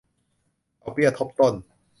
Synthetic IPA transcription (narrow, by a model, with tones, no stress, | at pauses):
ʔa˨˩wpi˥˩ɐt̪ʰːo˦˥p̚t̪o˥˩n